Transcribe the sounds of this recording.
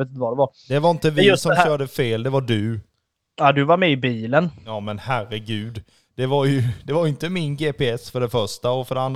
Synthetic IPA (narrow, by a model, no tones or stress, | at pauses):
et̪ɪnt̪əvadɛvaɾd̪ɛvaɾɪnt̪əvɪsɔmɕœːɖəfeːld̪ɛvaɖɵ | ad̪ɵvaɾmɛɪbiːlənjɑːmɛnhærəɡʉ̟ːd̪ | d̪̥ɛvaɾjɵd̪ɛvaɾjɪnt̪əmɪnɡeːpeɛsfœɖɛfœʂʈaɔfœɖɛand̪